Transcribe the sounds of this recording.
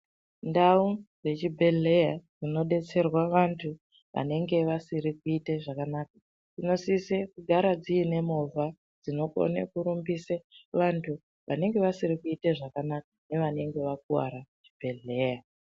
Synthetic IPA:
ndaud͡ze̞t͡ʃibʱe̞ɮe̞jad͡zino̞ɗe̞t͡se̞rwaʋantʰu | ʋʔa̰ne̞ŋɡe̞ʋasiɾikuiteʐakanak̚a | d͡zino̞sisekuɡʱaɾad͡ziːne̞movʱa | d͡zino̞ko̰nḛkuɾumbiseʋantʰu | ʋʔa̰ne̞ŋɡe̞ʋasirikuiteʐakanakḁne̞ʋane̞ŋɡe̞ʋak̚uwa̰ɾat͡ʃi̥bʱe̞ɮe̞ːja

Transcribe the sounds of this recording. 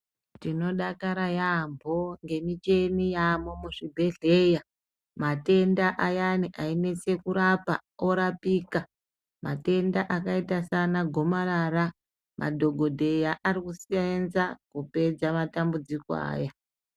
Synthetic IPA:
tino̞ɗakaɾajambʱo̞ŋɡe̞mit͡ʃe̞nijamomuʐibʱe̞ɮe̞ja | mate̞ndaʔajaniʔaine̞t͡se̞kuɾapao̞ɾapiːka | mate̞ndaʔakaitasanaɡʱo̞marara | mʔa̰dʱo̞ɡʱo̞dʱe̞jaʔaɾikusianzakupe̞d͡zamatambud͡zikoa̰ːja

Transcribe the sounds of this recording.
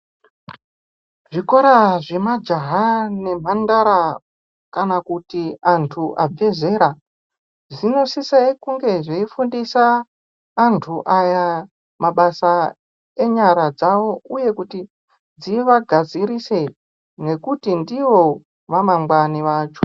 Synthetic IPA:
ʐiko̞ɾaʐe̞mad͡ʒaɦane̞m̤andaɾa | kanakutiantʰuʔab͡vʱe̞ze̞ɾa | ʐino̞sisaikuŋɡe̞ʐeifundisaː | ntʰuʔaja | maɓasa | e̞ɲaɾad͡zaʋo̞uje̞kuti | d͡ziʋaɡʱad͡ziɾise̞ | ne̞kutindiʋo̞ | ʋamaŋɡwaniʋaːt͡ʃo

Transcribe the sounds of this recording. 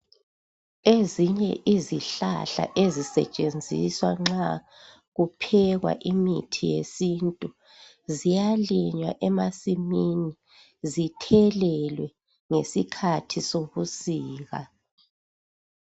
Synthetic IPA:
eziɲɛ̰ʔiziɬa̰ɬa̰ʔezisɛ̰t͡ʃʼend͡zʱḭswaŋ͡ǁa | ɣupʰɛɣwa̰ʔimitʰijḛsintʼu | zijaliɲwa̰ʔɛmasimini | zitʰɛlɛlwɛ | ŋesikʰatʰisoβusiːɣa

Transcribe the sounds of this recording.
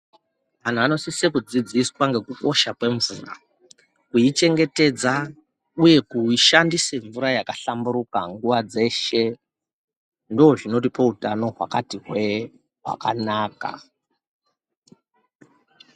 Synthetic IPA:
man̤uano̞sisekud͡zid͡ziswaŋɡe̞kuko̞ʃakwe̞ɱvura̰ | kuit͡ʃe̞ŋɡe̞te̞d͡za | uje̞kuiʃandiseɱvuɾajakaɬambuɾukaŋɡuʋad͡ze̞ʃe̞ | ndooʐino̞tipoutano̞ɦwa̰katiɦwe | ɦwa̰kanaːka̰

